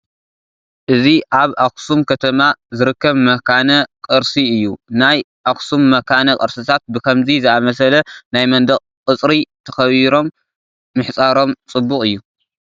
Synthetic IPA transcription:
ʔɨziʔaβʔaksumkʰɐt̪ʰɐmazɨɾɨkːɐβmɐkʰanɐkʼɨɾsiɨjːunaj | ʔaxsumːɐkʰanɐkʼɨɾsɨt̪ʰat̪̚bɨkʰɐmzizɨamɐsɐlɐnajmɐnd̪ɐχʼkʼɨt͡sʼɾit̪ʰɐxɐβiɾo̞mː | ɨħt͡sʼaɾo̞mt͡sʼɨbːukʼɨjːu

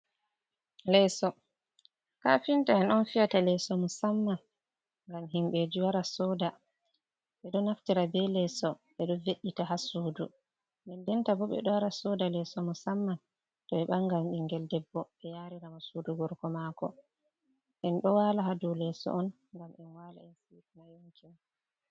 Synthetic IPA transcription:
lɛsɔ | kafintaɛnɔnfijatalɛsɔmusamːan | ŋɡamɦimɓed͡ʒiwaɾasɔda | ɓɛɗɔnaftiɾabɛlɛsɔɓɛɗɔveɗːitaɦasuːdu | mɛndɛntabɔɓɛ̰ɗɔwaɾasɔdalɛsɔmusamːan | tɔɓɛɓaŋɡamɗiŋɡɛldɛbːɔɓɛjaɾiɾamasuduɡɔɾkɔmakɔ̰ | ʔɛnɗɔwaːlaɦadɔlɛsɔ̰ʔɔn | ŋɡamɛnwala̰ɛnsifnajuŋkin

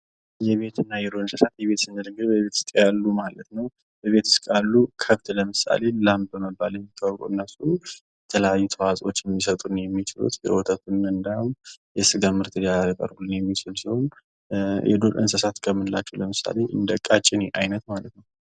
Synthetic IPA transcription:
jɛβe̞t̪ʰɨnːajɛɾoɨnsəsat̪jɛβe̞t̪sɨnɨlɨɡɨbəβet̪ɨ̥skʼjalːumalət̪nəw | bəβe̞t̪ʰɨ̥skʼalːukʰəft̪ləmɨsa̰le̞lam̚bəməbːaljɛmːikʰːawkʼoɨnːəsːujɛt̪ʰələjajːut̪ʰəwazʼo̞t͡ʃːjɛmːisət̪ʼunjɛmːit͡ʃɪlṵt̪jɛ̰wot̪ʰət̪unɨnd̪amjɛsɨɡamɨɾt̪ʰɨd̪jakʼə̰ɾɡulːɨnjɛmːit͡ʃɪlsiho̞n | jɛ̰d̪olʔɨ̰nsəsat̪kʰəmːɨnɨla̰t͡ʃːɛwləmɨsa̰le̞ʔɨ̰nd̪əkʼːat͡ʃʼːɪneʔajnət̪malət̪nəw

